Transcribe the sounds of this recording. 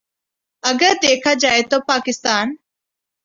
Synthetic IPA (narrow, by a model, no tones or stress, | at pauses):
əɡəɾd̪eːkʰad͡ʒaːet̪oːpaːkɪst̪aːn